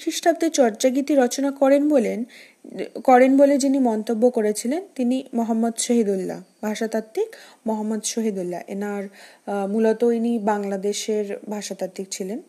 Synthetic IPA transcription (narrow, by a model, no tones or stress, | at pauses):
ʃiʃʈʰap̚t̪et͡ɕɔɾt͡ɕaɡit̪iɾɔt͡ɕonakɔɾenbolen | kɔɾenboled͡ʑinimɔnt̪obːokoɾet͡ɕʰilent̪inimoɦamːod̪ʃoɦid̪ulːa̰bʱaʃat̪at̪ːikmoɦamːod̪ʃoɦid̪ulːa̰ʔḛnaɾmulot̪oinibaŋlad̪eʃeɾbʱaʃat̪at̪ːik̚t͡ɕʰilen